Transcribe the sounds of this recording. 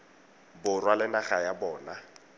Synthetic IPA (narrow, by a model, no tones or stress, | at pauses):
bʊrwalɪnaɣajabɔːna